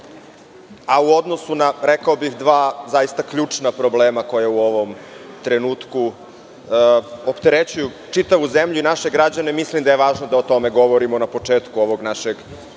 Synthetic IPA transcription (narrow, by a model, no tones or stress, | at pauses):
auo̞d̪no̞sunaɾekaobixd̪ʋaːzajist̪akʎuːt͡ʂnapɾobleːmako̞jeuo̞ʋo̞m | t̪ɾenuːt̪ku | opt̪eɾet͡ɕuju | t͡ʂit̪aʋuzemʎuinaʃe̞ɡɾad͡ʑane̞mislimd̪ajeʋaːʒnod̪aot̪o̞meɡo̞ʋoɾimonapo̞t͡ʂeːt̪kuoʋoɡnaʃeɡ